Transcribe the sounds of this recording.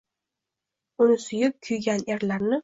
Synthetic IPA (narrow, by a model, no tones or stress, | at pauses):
ʊnɪsʊjɪp̚kʲʰʊjɡʲaneɾlaɾnɪ